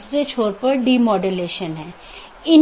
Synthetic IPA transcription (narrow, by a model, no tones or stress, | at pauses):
sɾet͡ʃʰoːɾpɐɾɖiːmɔːɖəleːʃənɦɛ̃ː | ɪn